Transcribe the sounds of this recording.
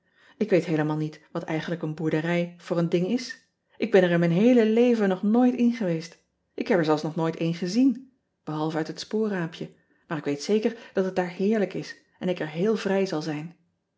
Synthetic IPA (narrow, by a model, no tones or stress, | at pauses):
ɪkʋejtɦejləmaːlˠnitʋɑtɛjχənləkənbuɹdərɛjv̥ʊːrəndɪŋɪs | ʔɪɡ̚bɛnɛɹɪnmɛjnɦejləlejvənɔχnoːjtɪnχəʋejst | ʔɪkɦɛpɛɹzɛlˠsnɔχnojtejnχəzin | b̥əɦɑlˠvəœɥtɦətspʊːraːmpʰjə | maːɹɪkʋejtsejkəɹd̥ɑtɦət̚daːɹhɪːɹləkɪs | ɛnɪkəɹɦeːlˠvrɛjzɑlˠzɛjn